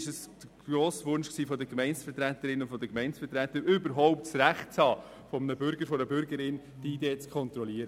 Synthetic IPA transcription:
ʃəsd̪̥əɡ̥ɾoːsʋʊnʃksiːfɔd̪əkmɛɪnt͡ssfət̪ɾæt̪əɾɪnʊnfɔd̪əkmɛɪnsfət̪ɾæt̪əɾʏbəɾɦɔʊp̚tt͡sɾæχtt͡shɑː | fɔmənəbʏɾɡəɾfɔnəbʏɾɡəɾɪn | d̥iideːt͡skʰχɔnt̪ɾɔliəɾə

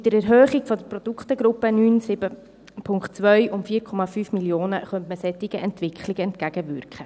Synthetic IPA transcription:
ɪtːəɾɛɾɦøːχiɡ̥fɔdəɾprɔd̥̪ukχt̪əɡɾʊpːənyːnsɪbə | pʰʊŋktt͡sʋœʏʔʊmfiːəɾkʰɔmɑfyːfmiljoːnəχœntməsɛtːɪɡəʔɛntʋɪkʰχlɪɡəɛntkæɡ̥əvʏɾkχə

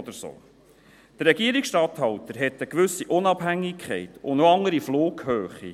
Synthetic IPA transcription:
d̪əɾso̰ː | d̥əɾːɛɡiəɾiksʃtɑt̪hɑwtəɾɦɛt̪ːəkʋʏsːiʔʊnɑb̥ɦæŋːikχɛ̰ɪtʊ̰noɑŋəɾifloːɡhøːχḭ

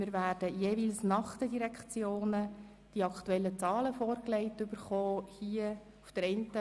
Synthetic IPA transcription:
mɪːɾvæːrd̥əjeːʋilsnɑχt̪ədiɾɛkt͡sjoːnə | d̥iɑkχtuɛlːət͡sɑːləfɔːrkleɪtʏb̥əɾχoːhiə | ufd̥əɾɛntə

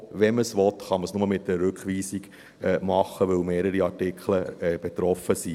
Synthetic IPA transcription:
ʋɛnməsʋɔt̪χɑməsnʊməmɪt̚dəɾɾɵkχʋiːsiɡ | ɛmɑχːəʋɵlmeːɾəɾiɑɾtɪkχləɛb̥et̪ɾɔfəsi

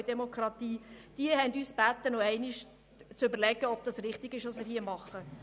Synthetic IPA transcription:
d̥ɛmokʰrɑt̪iːd̥iəhɛnd̪yːsb̥æt̪ːənɔɛɪnɪʃ | t͡søbəɾlɛɡəɔb̥̚d̥ɑsɾɪχt̪ɪɡɪʃʋɑsmɪːɾhiːmɑχːə

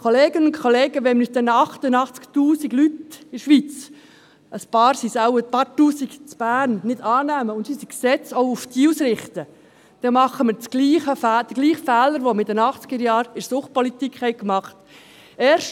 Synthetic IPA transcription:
kʰoleːɡənʊnkʰoleːɡəʋɛnmɪsd̥̪ɛnɑχtənɑχt͡sktuːsiɡlyt̪ɪʃʋit͡s | əspɑːɾsisawəpɑɾtuːsiɡ̥t͡sb̥æːnnɪd̥ɑːnæːməʊntsisiksɛt͡sɔʊuftiːusɾɪχt̪ə | d̥ɛmɑχːəməɾt͡sɡ̥liːχəfæːd̥əɡliːχfɛːləɾʋomɪdənɑχt͡sɡ̥əɾjɑːɾɪɾsʊχt̚pɔlit̪ikχhɛɪkmɑχt | ɛːɾʃ

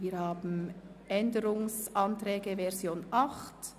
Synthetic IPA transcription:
viːɾhaːbn̩ | ʔɛndəɾʊŋsʔɑntɾɛːɡəvɛʁzjoːnʔɑχt

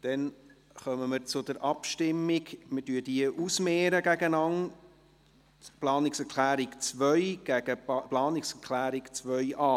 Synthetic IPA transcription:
d̥ɛn | χœməməɾt͡sʊd̥̪əɾʔɑpʃtɪmːɪɡmɪdyəd̥iəʔusmɛːɾəɡæɡənɑn | plɑːnɪksɛɾkʰlæːɾɪkt͡sʋœʏɡ̥æɡ̥əplɑːnɪksɛɾklæːɾikt͡sʋœʏʔɑː

